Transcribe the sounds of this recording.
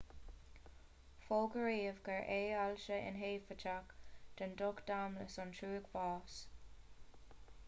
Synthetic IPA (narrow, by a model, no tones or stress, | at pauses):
foːɡəɹiːvɡəɹʔeːalʃəʔɪ̰nɦeːfət͡ʃakd̪̥əndɔkd̥̪amləsɔntʰuːɡbɑːs